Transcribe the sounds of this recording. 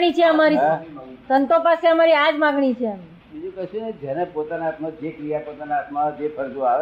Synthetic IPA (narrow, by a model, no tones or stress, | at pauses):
ɽ̃it͡ʃʰeəmaɾisənt̪opaseəmaɾiad͡ʒmãɡɳ̃it͡ʃʰeam | bid͡ʒukɛʃuned͡ʒjɛnẽpot̪anaat̪mad͡ʒekɾijapot̪anaːt̪mãd͡ʒepʰəɾd̪uaʋ